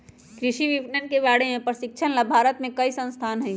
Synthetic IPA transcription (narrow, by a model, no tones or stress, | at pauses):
kɾɪʃiʋiʋnənkeʋaːɽ̤emẽpɾəsɪk̚t͡ʃʰənlabʱaːɾət̪mẽkɐisə̃nst̪ʰaːnɦɛĩ